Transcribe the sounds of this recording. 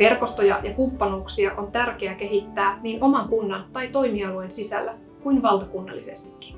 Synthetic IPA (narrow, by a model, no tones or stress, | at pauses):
ʋe̞rko̞st̪o̞jɑ̰jɑkumpːɑnuːksiɑʔo̞nt̪ærk̟eæke̞ɦit̪ːæːniːno̞mɑŋkunːɑnt̪ɑjt̪o̞jmiɑluensisæ̰lːæ | kuinʋɑlt̪ɑkunːɑ̰lːise̞̰st̪i̥kːi̥